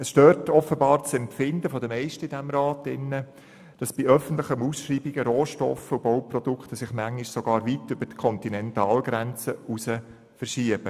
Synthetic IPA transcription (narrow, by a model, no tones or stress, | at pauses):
əsʃtøːtʰɔfəbɑːɾt͡sɛmpfɪndəfɔdəmɛɪʃtəɪdæmɾɑːtɪnːə | d̥ɑsb̥iœfən̩t̪lɪχəmusʃɾiːbiɡ̥əɾoːʃtɔ̰fəubowprɔd̥̪ukχt̪əsɪχmæŋːiʃsɔɡ̥ɑːɾʋitʏbəɾtkʰɔnt̪inɛntɑːlɡɾɛnt͡səusə | fəɾʃiəb̥ə